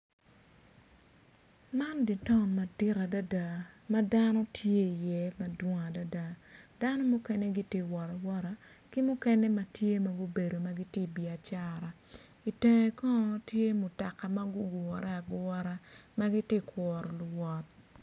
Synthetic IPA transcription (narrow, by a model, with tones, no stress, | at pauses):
ma˦ndi˨tɔ˦˨ma˨di˦ɾa˨da˦da˨ma˦da˦nɔ˦tʰje˦i˨jɛ˦ma˨dwɔ˦ŋa˨da˦da˨d̥a˦nɔ˦mʊ˦kɛ˦ne˦ɡi˦te˦wɔ˨ɾa˨wɔ˦ɾa˦ | ki˦mʊ˦kɛ˦nɛ˦ma˨tje˦ma˨ɡu˦be˨do˨ma˦ɡi˦te˦bi˨a˨t͡ʃa˦ɾa˨ | i˨te˨ŋe˨kɔ˦nɔ˦tje˦mʊ˨ta˨ka˨ma˦ɡʊ˦ɡɔ˨ɾa˦a˨ɡɔ˦ɾa˦ma˦ɡi˦te˦kwɔ˨ɾɔ˨lʊ˨wɔ˨t̚